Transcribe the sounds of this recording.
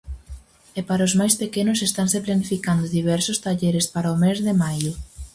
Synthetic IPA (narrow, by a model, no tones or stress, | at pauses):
epaɾɐozmajspekenʊsest̪anseplanifikand̪ʊðiβ̞ɛɾsʊst̪aʎeɾespaɾaomezðemajʊ